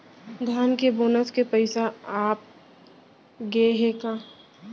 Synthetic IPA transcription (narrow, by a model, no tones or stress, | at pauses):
ɡ̪ʱaːnkeboːnəskepəɪsaaːp̚ | ɡeɦekãː